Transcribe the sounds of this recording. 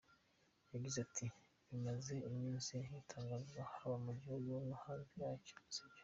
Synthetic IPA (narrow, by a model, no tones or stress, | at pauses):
jaɡizatʰi | βimaze̞imɲiːnsinhitʰaːŋɡazɡahaβamuɟiojunuhaːnzijaːco̥siɟḁ